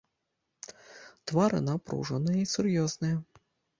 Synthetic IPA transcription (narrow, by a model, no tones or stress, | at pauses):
t̪vaɾɨ̰napɾṵʐɐnɨjɐisurjɔznɨjɐ